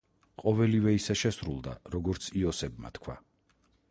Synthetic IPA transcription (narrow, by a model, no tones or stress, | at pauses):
qʼɔvɛlivɛisɛʃɛsɾulˠd̪a̰ɾɔɡɔɾt̪sʰiɔsɛbma̰t̪kʰwa̰